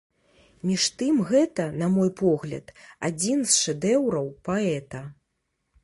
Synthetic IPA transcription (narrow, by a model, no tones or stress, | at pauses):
mʲiʂt̪ɨmɣɛt̪ɐnɐmɔjpɔɣlʲɐ̰t̪ad͡zʲinsʂɛd̪ɛwɾɐwpaɛt̪ɐ